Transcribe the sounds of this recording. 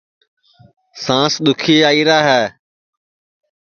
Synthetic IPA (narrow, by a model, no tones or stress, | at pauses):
sãːsɗ̪ʊkʰiːaːiːɾaːɦɛː